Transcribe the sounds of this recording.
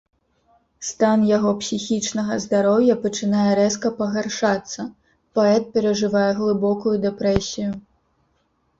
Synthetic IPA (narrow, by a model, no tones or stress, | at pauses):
st̪anjaɣɔpsʲixʲit͡ʂnɐɣɐzd̪aɾɔwjɐpɐt͡ʂɨnajɛɾɛskɐpɐɣarʂat̪sːɐ | pɔɛt̪̚pʲɛɾɐʐɨvajɛɣlˠɨbɔkujud̪ɛpɾɛsʲiju